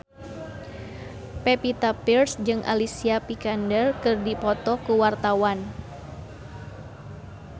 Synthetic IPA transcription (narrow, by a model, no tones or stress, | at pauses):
pɛpit̪apirsd͡ʒɨŋʔa̰lisiapikandərkɨrdipɔt̪ɔkuwart̪awan